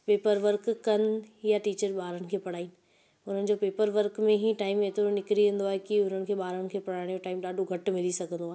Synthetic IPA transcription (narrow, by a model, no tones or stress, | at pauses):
peːpəɾʋəɾkːɐnjaʈiːt͡ɕəɾɓaːɾəɽ̃ɪ̆kʰeːpɐɽ̤aːiːnɪ̆ | ʊn̤ənɪ̆d͡ʑopeːpəɾʋəɾkmẽɦiʈaːɪmet̪ɪɾonɪkɾiʋẽːn̆d̪oaːɦekiʊn̤ənɪ̆kʰeːɓaːɾəɽ̃kʰeːpɐɽaːɽ̃joʈaːɪmɗaːɖʱoɡʱɐʈmɪlisɐɡʱə̃nd̪oaɦe